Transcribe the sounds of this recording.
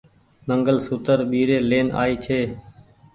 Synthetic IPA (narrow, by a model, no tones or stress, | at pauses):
məŋɡəlsʊt̪əɾɓiːɾeːleːna̰ːiːt͡ʃʰeː